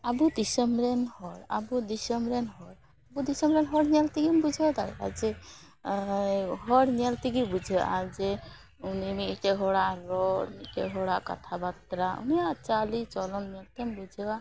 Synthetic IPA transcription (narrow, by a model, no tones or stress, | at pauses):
abud̪isɔmɾɛnhɔɾa̰bud̪isɔmɾɛnɦɔɾ | abud̪isɔmɾɛnɦɔɽnalt̪iɡimbud͡ʒʱɔwd̪aja̰d͡ʒɛ | ɦɔɽniɛlt̪iɡibud͡ʒʱɛwʔad͡ʒɛ | unimiɛkɛɦɔɽaʔɾɔnikɛ̰ɦɔɽaʔka̰t̪ʰabat̪ɾaṵnijaʔt͡ʃalit͡ʃɔlɔnnalt̪ɛmbud͡ʒʱɛa